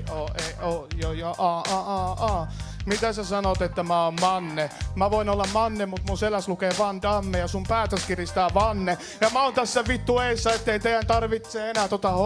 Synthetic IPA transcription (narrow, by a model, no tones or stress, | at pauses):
oːeojojoʔɑːɑʔɑːɑːmit̪æsæsɑnot̪et̪ːæmæoːmmɑnːemæʋoinolːɑmmɑnːemut̪munselæslukeːʋɑnd̪ɑmːejɑsumpæːt̪øskirist̪æːʋɑnːe | jɑmæoːnt̪æsːæʋit̪ːueisːɑet̪ːeit̪eijænt̪ɑrʋit̪seenæːt̪ot̪ɑh